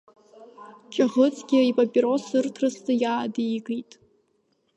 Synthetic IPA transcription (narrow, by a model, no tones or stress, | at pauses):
t͡ʃʼaʁət͡sʼɡʲɪipʼapʼiɾosɨrtʰrɨstɨjaːdijɡʼitʼ